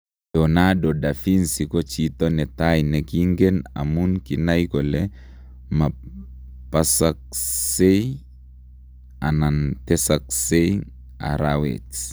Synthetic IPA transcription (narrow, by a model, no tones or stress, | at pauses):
dɔnadɔdafinsikɔt͡ʃitɔnɛtajnɛkiŋɡena̰munkinajkɔlɛ | ma | pasak̚sej | anantɛsaksej | a̰ɾawḛt͡ʃ